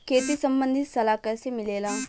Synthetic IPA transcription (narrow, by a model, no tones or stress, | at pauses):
kʰeːt̪iːsəmbə̃nd̪ʱɪt̪səlaːkɛːseːmɪleːlãː